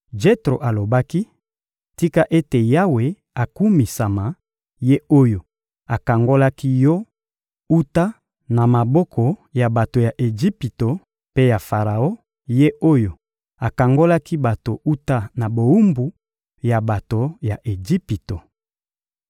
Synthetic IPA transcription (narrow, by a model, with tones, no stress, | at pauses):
d͡ʒe˦tʁo˨ʔa˨lo˨ba˦ki˦ | ti˦ka˦ʔe˦te˨ja˦we˨ | a˨ku˦mi˨sa˨ma˨ | je˦o˦jo˨ | a˨ka˨ŋɡo˦la˦ki˦jɔ˦ | u˦ta˦ | na˨ma˨bɔ˦kʰɔ˨ja˨ba˨to˨ja˨ʔe˨d͡ʒi˦pi˨to˨ | pe˦ja˨fa˨ʁa˨o˦ | je˦ʔo˦jo˨ | a˨ka˨ŋɡo˦la˦ki˦ba˨to˨ʔu˦ta˦na˨bo˨u˦mbu˨ | ja˨ba˨to˨ja˨ʔe˨d͡ʒi˦pi˨to˨